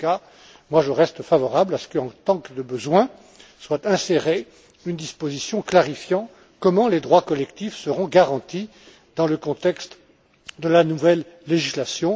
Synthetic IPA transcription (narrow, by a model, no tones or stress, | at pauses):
ka | mwaʒəʁɛst̪favɔʁablasə̥kəɑ̃t̪ɑ̃kd̪əbəzwɛ̃ | swat̪ɛ̃seʁe | ynd̪ispozisjɔ̃klaʁifjɑ̃ | kɔmɑ̃led̪ʁwakɔlɛkt̪ifsəʁɔ̃ɡaʁɑ̃t̪i | d̪ɑ̃ləkɔ̃t̪ɛkst̪ | d̪əlanuvɛlː | eʒislasjɔ̃